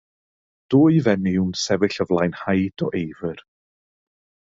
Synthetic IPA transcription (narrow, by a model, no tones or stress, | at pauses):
d̥ʊːɨvɛniwnsɛvɪɬəvlˠajnhajd̥ɔʔejvər